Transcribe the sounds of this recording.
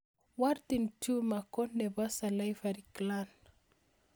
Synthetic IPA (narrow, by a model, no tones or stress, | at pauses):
wart̪intʰumakonːebasalajvaɾiklan